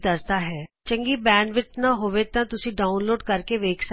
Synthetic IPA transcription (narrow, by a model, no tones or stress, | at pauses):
d̪ɐsd̪aːɦɛːt͡ʃə̃ŋɡiːbɛːnɖʋɪt͡ʃnaɦoːʋet̪ãːt̪ʊsĩːɖaːʊnloːɖkəɾkeʋeːkʰsə